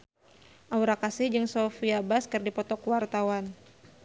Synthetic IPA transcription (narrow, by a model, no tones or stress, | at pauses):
ʔawɾakasɪhd͡ʒɨŋsofiabaskɨrdipɔt̪ɔkwart̪awan